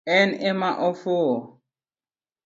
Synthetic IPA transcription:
ɛnɛmaʔɔfoɔ

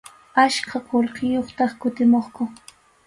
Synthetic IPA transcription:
aʃkʰɑqolqɪjoχt̪ɑχkʊt̪ɪmoχkʊ

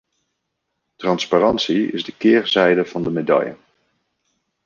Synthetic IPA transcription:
trɑnsparɑntsiɪ̰zdəkɪːɹzɛjdəv̥ɑndəmedɑ̰jə̰

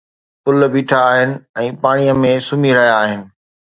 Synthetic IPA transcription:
pʊlbiːʈʰaːɦɪnɪ̆ɛ̃ːpaːɽ̃ijəmẽsʊmiɾɐɦijaːɦɪnɪ̆

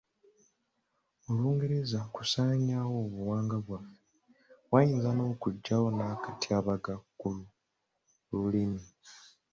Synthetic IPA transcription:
oluːŋɡe̞ɾezaku̥saːɲawo̞ːβuwaːŋɡaβwafe | wajiːnzano̞ːkuɟːawo̞nakatiaβaɡakːulu | lulimi

